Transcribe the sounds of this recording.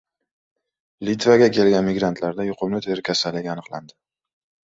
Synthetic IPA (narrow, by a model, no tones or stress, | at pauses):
lit̪vaɡʲakʲʰe̞lɡʲanmɪɡɾant̪ʰlaɾd̪ajʊqʰʊmlɪt̪ʰe̞ɾɪkʲʰasalːɪɡʲanɨqlˠand̪ɪ